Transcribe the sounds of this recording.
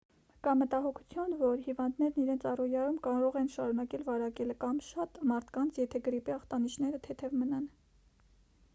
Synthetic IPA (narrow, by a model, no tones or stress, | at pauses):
kɑmət̪ɑɦɔkʰu̥t͡sʰjunvɔɾhivɑnd̪nɛɾniɾɛnt͡sʰɑrɔjɑɾumkɑɾɔʁɛnʃɑɾunɑkɛlvɑɾɑkɛlkɑmʃɑt̪mɑɾt̪ʰkɑnt͡sʰjɛt̪ʰɛɡəɾipɛɑχt̪ɑniʃʰnɛɾət̪ʰɛt̪ʰɛvmənɑn